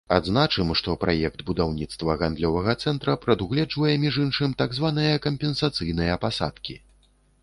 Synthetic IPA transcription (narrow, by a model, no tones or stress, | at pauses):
a̰d̪znat͡ʂɨmʂt̪ɔpɾʔajɛkt̪bud̪awnʲit̪st̪vɐɣand̪lʲɔvɐɣɐt̪sɛnt̪ɾɐpɾɐd̪uɣlʲɛd͡ʐvɐjɛmʲiʐɨnʂɨmt̪aɡzvanɨjɐkɐmʲpʲɛnsat̪sɨjnɨjɐpasa̰t̪kʲi